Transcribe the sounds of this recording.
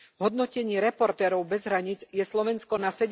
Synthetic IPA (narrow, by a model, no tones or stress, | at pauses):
ɦɔd̪̚nɔcɛɲiːɾɛpɔɾt̪ɛːɾɔʊbɛzɦɾaɲiːd͡zjɛslɔʋɛnskɔnasɛɟ